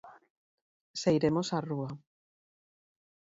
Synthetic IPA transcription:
sajɾemosarua

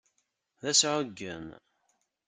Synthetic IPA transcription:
ðæsʕʊɡːə̰m

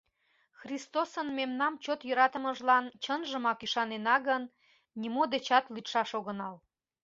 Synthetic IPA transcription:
xrist̪osənmemnɑmt͡ɕot̪jøɾɑt̪əməʒlɑnt͡ɕənʒəmɑkyʃɑnenɑɣənːʲ | imod̪et͡ɕɑt̪lyt̪ʃɑʃoɣənɑl

